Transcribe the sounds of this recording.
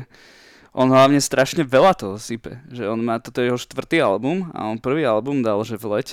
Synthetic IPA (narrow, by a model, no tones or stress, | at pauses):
ʔɔnɦlaʊɲɛst̪ɾʔaʃɲɛʋɛlat̪ɔɦɔsipɛ̰ʒɛɔnmaːt̪ɔt̪ɔjɛɦɔʃt̪ʋr̩t̪iːalbuma̰ɔnpr̩ʋiːalbumd̪alʒɛvlɛc